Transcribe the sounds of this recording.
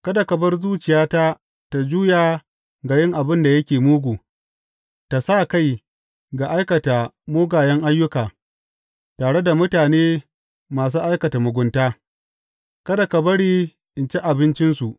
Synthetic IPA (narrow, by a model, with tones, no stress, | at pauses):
kɐ˦da˨kɐ˨bɐ˦rzuː˦t͡ʃɪ˨jaː˦ta˦ | ta˨d͡ʒuː˦jaː˨ | ɡa˨jɪ˦ŋʔa˨bɪ˦nda˨jɐ˦kʲeː˨muː˦ɡʷuː˨ | ta˨sa˦˨ka˦˨j | ɡa˨ʔa˦jkɐ˨ta˨moː˦ɡaː˨jɐ˦ŋʔa˦jːʊ˦kaː˨ | taː˨ɽe˦da˨mʊ˦taː˨neː˦ | maː˨s̬uː˦ʔa˦jkɐ˨ta˨mʊ˨ɡʷʊ˨˦ntaː˦ | kɐ˦da˨kɐ˨bɐ˦ɽiː˦ | ʔɪ˨nt͡ʃe˦ʔa˨bɪ˦nt͡ʃɪ˦nsu˨ʔ